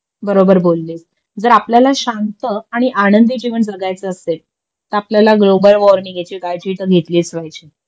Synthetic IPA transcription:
bəɾobəɾbolːiːs | d͡zəɾapljalaɕãnt̪əaɽ̃iʔaɽ̃ənd̪id͡ʑiʋəɳd͡zəɡajt͡səəsel | t̪əɾapljalaɡlobəlʋɔɾniːɡʱet͡ɕiɡajd͡ʑiʈəɡʱet̪liːt͡sʋajt͡ɕi

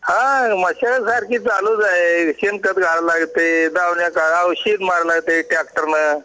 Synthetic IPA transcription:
hãməɕasaɾkiːt͡saluːd͡zaɦeɕenkət̪ɡʱaɾlaɡt̪ed̪aʋɳjakaawɕiːd̪maɾlaɡt̪eʈɾak̚ʈəɾnə

